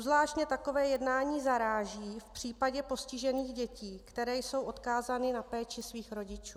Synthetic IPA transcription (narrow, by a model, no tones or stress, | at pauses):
uzvlaːʃcɲɛt̪ako̞vɛːjɛdnaːɲiːzaɾaːʒiːfpr̝̥iːpaɟɛpo̞scɪʒɛniːɣɟɛciːkt̪ɛɾɛːjso̞wʔo̞t̪kaːzanɪnapɛːt͡ʃɪsviːxɾo̞ɟɪt͡ʃuː